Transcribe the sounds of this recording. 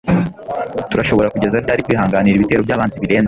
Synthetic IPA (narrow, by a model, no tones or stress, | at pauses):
tuɾaʃo̞βo̞ɾakuɟe̞zaɾɟaːɾikwiːɦaːŋɡaniɾiβite̞ɾo̞bjaːβaːnziβiɾe̞ːnz